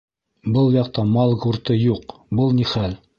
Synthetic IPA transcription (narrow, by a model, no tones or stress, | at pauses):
bɤlˠjɑqt̪ɑmɑlˠɡuɾt̪ɤjuqbɤlˠniχæl